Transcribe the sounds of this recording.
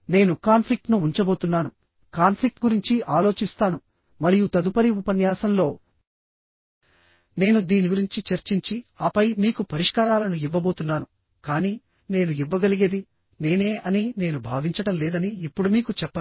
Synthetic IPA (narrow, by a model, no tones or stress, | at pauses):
ne̞ːnukaːnpʰlik̚ʈnuːɲt͡ʃɐbo̞ːt̪unːaːnu | kaːnpʰlik̚ʈ̚ɡuɾiɲt͡ʃiʔaːlo̞ːt͡ʃist̪aːnu | mɐɾijut̪ɐd̪upɐɾiupɐnjaːsɐmlo̞ː | ne̞ːnud̪iːniɡuɾiɲt͡ʃit͡ʃɐɾt͡ʃiɲt͡ʃiaːpɐjmiːkupɐɾiʂkaːɾaːlɐnuiʋːɐbo̞ːt̪unːaːnu | kaːniː | ne̞ːnuiʋːɐɡɐliɡed̪i | ne̞ːne̞ːɐnine̞ːnubʱaːʋiɲt͡ʃɐɽɐmlɛːd̪ɐniːpːuɽumiːkut͡ʃɛpːɐ